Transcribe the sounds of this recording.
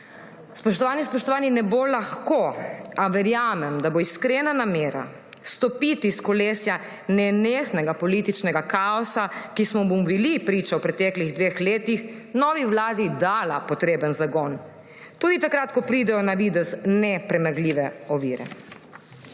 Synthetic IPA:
spɔʃt̪ɔʋaːnispɔʃt̪ɔʋaːninɛbolaxkoaʋɛɾjaːmɛmd̪aboiskɾenanameːɾa̰ | st̪ɔpit̪iskɔleːsja | nɛneːxnɛɡapɔlit̪it͡ʃnɛɡakaɔsakismɔmoubilipɾiːt͡ʃawpɾɛt̪ɛkliɣd̪ʋexleːt̪ixnɔʋiʋlaːd̪id̪aːlapɔt̪ɾeːbənzaɡɔn | t̪uːd̪it̪akɾaːt̪kɔpɾiːd̪ɛjɔnaʋid̪ɛznɛpɾɛmaɡliːʋɛɔʋḭːɾɛ̰

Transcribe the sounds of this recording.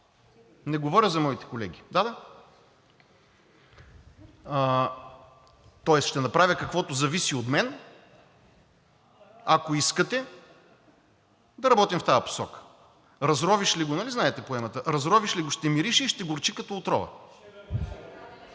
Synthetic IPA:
nɛɡovɔɾʲəzɐmɔit̪ɛ̥kolɛɡ̟ʲid̪ad̪a | t̪ɔɛsʃt̪ɛnɐpɾavʲəkɐkvɔt̪ʊzɐvisiot̪mɛn | ɐkoiskət̪ɛ | d̪ɐɾɐbɔt̪imft̪ajɐpo̥sɔkə̥ | ɾɐzɾɔviʃliɡonɐliznaɛt̪ɛpoɛmət̪əɾɐzɾɔviʃliɡʊʃt̪ɛmiɾiʃiʃt̪ɛɡoɾt͡ʃikɐt̪ɔot̪ɾɔvə̰

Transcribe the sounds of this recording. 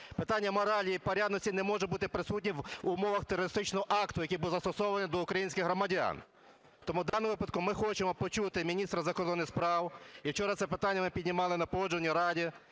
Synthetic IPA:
pɪt̪ɑnʲːɐmɔɾɑlʲijipɔɾʲad̪nɔsʲtʲinɛmɔʒɛbut̪ɪpɾɪsutʲnʲiʋʊmɔʋɐxt̪eɾɔɾɪst̪ɪt͡ʃnɔɦɔʔɑkt̪ʊjɐkʲibulˠzɐst̪ɔsɔʋɐnʲid̪ɔʊkɾɐjinʲsʲkʲɪɣɦɾɔmɐdʲa̰n | t̪ɔmud̪ɑnʋɪpɐd̪̚kʊmɪxɔt͡ʃemɔpɔt͡ʃut̪ɪmʲinʲist̪ɾɐzɐkɔrd̪ɔnːɪspɾɑwit͡ʃɔɾɐsɛpɪt̪anʲːɐmɪpʲidʲnʲimɑlˠɪnɐpɔɔd͡ʒonʲiɾɑdʲi

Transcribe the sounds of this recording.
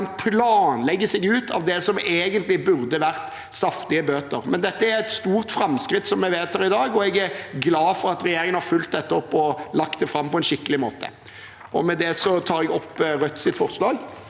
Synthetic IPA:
npʰlɑːnlɛɡːəsɛɡʉːt̪ʰɑʋd̪ɛsɔmeːɡənt̪lɪbʉʁd̪əʋæʁt̪ | sɑft̪ɪəbøːt̪əɾmɛnd̪ɛt̪ːəæɾɛt̪st̪uːʁt̪fɾɑmskɾɪt̪sɔmjɛʋeːt̪hæɾɪd̪ɑːɡɔɛɡæɾɡlɑːfɔɾɑt̪ɾɛjeːɾɪŋənhɑɾfʉlt̪̚d̪ɛt̪ːəɔpːɔlɑkt̪d̪ɛfɾɑmːpɔɛnʃɪkːəlɪmoːt̪ʰə̰ | ʔɔ̰mɛd̪ɛsɔt̪ʰɑːɾɛɡɔpːɾœt̪ːsɪt̪fɔʁslɑːɡ

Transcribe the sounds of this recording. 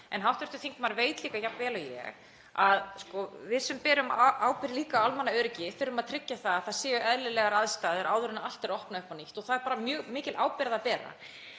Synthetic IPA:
ɛnɦawht̪ɛ̥ɾ̥t̪ʏ̥θiŋkmaɾveːjt̪liːkajapvɛːlajɛ̰ɣ | aðskɔvɪðsɛmpɛːɾʏmaːwpɪɾɪliːkawalmanːaœɾcɪfɪɾʏmaðt̪ʰɾɪcːaθaðaθaðsɛːjʏʔɛðlɪlɛɣaɾaðst̪aːðʏɾʔaːwðʏɾɪnaal̥t̪ɛɾɔhpnaʏhpaniht̪ɔθaðɛɾpaːɾamjœːɣmɪːcɪlʔa̰ːwpɪɾaðapɛːɾa̰

